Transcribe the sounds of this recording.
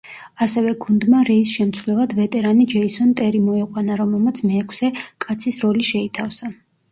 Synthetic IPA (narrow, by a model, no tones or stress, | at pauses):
asɛvɛɡund̪maɾɛisʃɛmt̪sʰvlɛlˠad̪vɛt̪ʼɛɾanid͡ʒɛisɔnt̪ʼɛɾimɔɛqʼwanaɾɔmɛlˠmat̪sʰmɛːkʰsɛkʼat̪sʰisɾɔliʃɛit̪ʰafsa